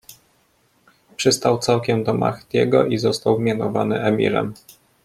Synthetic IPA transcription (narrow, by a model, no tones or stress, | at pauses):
pʂɘst̪awt̪sawkʲɛmd̪ɔma̰xt̪jɛɡɔ̰ʔizɔst̪awmʲjanɔvanɘʔɛmʲḭɾɛ̰m